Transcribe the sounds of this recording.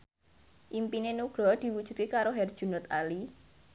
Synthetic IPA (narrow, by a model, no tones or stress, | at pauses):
ʔimpinenuɡ̥ɾɔd̪̥i̤wud̥ʒ̥ṳ̥d̪̚kekaɾoɦɛrd̥ʒ̥ṳnʊt̪ali